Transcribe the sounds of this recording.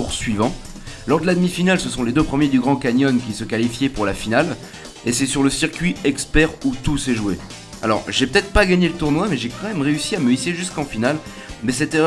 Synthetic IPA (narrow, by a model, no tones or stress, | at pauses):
uʁsɥivɑ̃ | lɔʁd̪əlad̪mifinalsəsɔ̃led̪øpχəmjed̪yɡʁɑ̃kaɲɔnkʲisəkalifjɛpuʁlafinal | esɛsyʁləsiʁkʲɥiɛkspɛʁut̪usɛʒuwe | a̰lɔ̰ʁʒɛpøət̪ɛt̪χəpaɡaɲelət̪uʁnwamɛʒɛkɑ̃mɛmʁeysiaməisiʒyskɑ̃final | mɛsɛt̪e